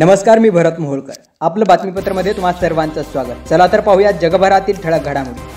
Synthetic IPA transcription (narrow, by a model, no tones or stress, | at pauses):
nəməskaɾmiːbʱəɾət̪məɦoɭkəɾ | apləbat̪mipət̪ɾəməd̪ʱːjet̪um̤asəɾʋant͡sasʋaɡət̪t͡səlat̪əɾpaɦujat̪̚d͡ʑəɡəbʱəɾat̪iːlʈʰəɭəɡʱəɽamuɽi